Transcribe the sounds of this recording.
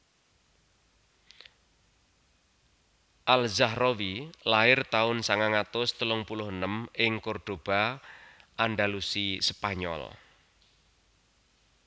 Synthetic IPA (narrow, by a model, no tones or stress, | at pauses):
ʔalzahrowilaɪrt̪aʊnsaŋaŋat̪ʊst̪əlʊŋpulʊɦənəmɪŋkorɖ̪̥o̤b̥a̤ | ʔanɖalusispaɲɔ̰l